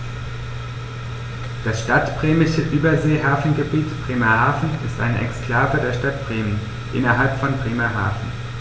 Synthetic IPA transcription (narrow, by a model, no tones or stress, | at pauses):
d̥asʃtatb̥ʁeːmɪʃəʔyːbɐzeːɦaːfn̩ɡəbiːtb̥ʁ̥eːmɐhaːfn̩ɪstʔa̰ɪnəʔɛ̰kskl̥aːvədeːɐʃtat̚b̥ʁ̥eːmən | ʔɪ̰nɐɦalpfɔnbʁeːmɐɦa̰ːfn̩